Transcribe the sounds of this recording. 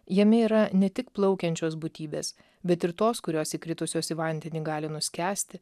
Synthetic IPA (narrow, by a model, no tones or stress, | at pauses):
jɛmʲɛiːɾɐnʲɛt̪ʲɪkplˠɒʊkʲɛnʲt͡ʃʲoːs̬bʊt̪ʲiːbʲḛːs | bʲɛt̪ɪɾt̪oːskʊɾʲoːsiːkɾʲɪt̪ʊsʲoːsʲiʋɐnʲd̪ʲɛnʲiːɡɑːlʲɪnʊsʲkʲæːsʲt̪ʲɪ